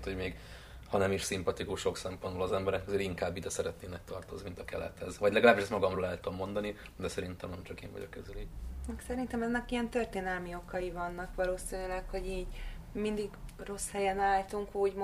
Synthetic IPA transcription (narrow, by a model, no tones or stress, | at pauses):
t̪hoɟmeːɡ | hɒnɛmiʃsimpɒt̪ikuʃo̞ksɛmpo̞nd̪bolɒzɛmbɛɾɛkɒzeːɾiŋkaːbːid̪ɛsɛɾɛt̪neːnɛk̚t̪ɒrt̪o̞znimint̪ɒkɛlɛ̰t̪hɛzʋɒɟlɛɡɒlaːbːiʃɛst̪mɒɡɒmroːlɛlt̪omːo̞nd̪ɒni | d̪ɛsɛɾint̪ɛmnɛmt͡ʃɒkḛːɱvɒ̰ɟo̞̰kɛzyliɛksɛɾint̪ɛmɛnːɛkijɛnt̪ørt̪eːnɛlmio̞kɒjivɒnːɒkʋɒloːsinilɛkho̞ɟiːɟmind̪iɡro̞shɛjɛnaːlt̪uŋkuːɟm